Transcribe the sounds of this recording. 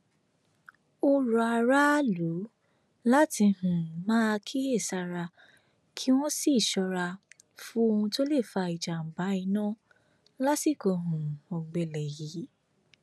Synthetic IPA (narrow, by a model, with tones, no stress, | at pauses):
o˦ɾɔ˨a˨˧ɾa˦lu˨˦ | la˦ti˧hũ˨mãː˦˧kʰi˦e˦˨sa˧ɾa˧ | kʰi˦w̃ɔ̃˦si˦˨ʃɔ˧ɾa˧ | fu˦o˧hũ˧to˦le˦˨fa˧i˨d͡ʒa˨m̩˨ba˨˦i˧˦nã˦ | la˦si˦˨ko˧ɦũ˨o˨ɡ͡be˨lɛ˨ji˨˦